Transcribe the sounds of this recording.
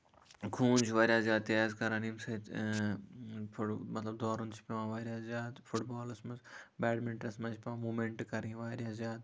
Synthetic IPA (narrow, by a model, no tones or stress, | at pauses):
kʰuːnt͡ʃʰʋaːɾʲjaːzjaːt̪̚ːeaːzkɐɾanimsɐt̪ | fʊmɐt̪lɐbd̪ɔːɾunt͡ʃʰpeʋãːʋaːɾʲjaːzjaːt̪fʊʈbaːlɐsmɐzbɛːɖmɪɳʈɾɐsmɐ̃t͡ʃʰpʲãːmuːmeɳʈkɐɾĩːʋaːɾjaːszjaːt̪